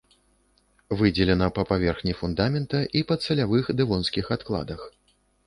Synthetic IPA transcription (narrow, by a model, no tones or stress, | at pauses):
vɨd͡zʲɛlʲɛnɐpapavʲɛrxnʲifund̪amʲɛnt̪ɐʔipɐt̪sɛlʲavɨxd̪ɨvɔnskʲixat̪klˠa̰d̪ɐx